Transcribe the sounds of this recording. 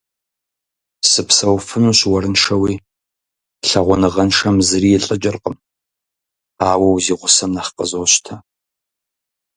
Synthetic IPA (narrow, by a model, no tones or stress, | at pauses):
sɨpsɐwfɨnuːɕwɐɾɨnʂɐwiː | ɬɐʁʷɔnɨʁɐnʂɐmzɨɾiːɪɬʼɨt͡ʃʼɪrqəm | aːwɐwziːʁʷʊsɐmnɐχqəzowɕtʰɐ